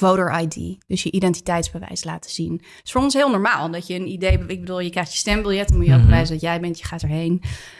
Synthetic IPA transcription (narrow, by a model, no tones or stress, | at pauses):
vowɾəɹʔajdḭd̥ɵsjəʔidɛnti̥tɛjtzbəʋɛ̰jsla̰ːtə̥z̥in | ɪsfoːrɔnsɦɪːlˠnɔːɹmaːlˠdɑtjəːnidejɪɡ̚bəduːlˠjəkrɛjχtjə̥stɛmbɪlˠjɛtɔnmujəobəʋɛjzəndɑtjɛjbɛntjəχaːtəɹɦejn